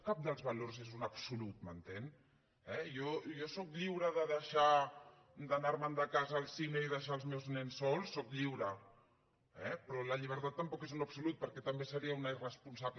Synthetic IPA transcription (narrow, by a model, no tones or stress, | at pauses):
kap̚d̪əlˠzβɐlorzezunəpsulut̪̚mənt̪en | ɛjɔjɔsɔkʎiwɾəðəðəʃa | d̪ənaɾmənd̪əkazəːlˠsineiðəʃ̬aəlˠzmɛwznɛnsːɔlˠsːɔkʎiwɾə | ɛpɾɔləʎiβ̞əɾt̪at̪ːəmpɔkezunəpsulut̪̚pəɾkɛt̪əmbesəɾiəunəirəspunsaβ